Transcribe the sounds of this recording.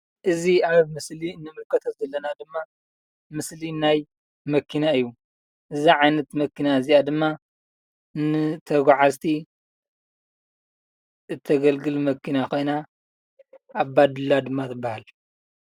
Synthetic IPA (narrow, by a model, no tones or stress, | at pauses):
ʔɨziaβmɨslinːɨmɨlkʰɐt̪ʰɐt̪zɐlːɐnad̪ɨmːa | mɨslinaj | mɐkʰːinaɨjːu | ʔɨziʕajnɐt̪mɐkʰːinaɨziʔad̪ɨmːa | nɨt̪ʰɐɡʷaʕazt̪ʰi | ʔɨt̪ʰːɐɡɐlɡɨlmɐkʰːinako̞jna | ʔːβbad̪ɨlːad̪ɨmːat̪ʰɨbːahal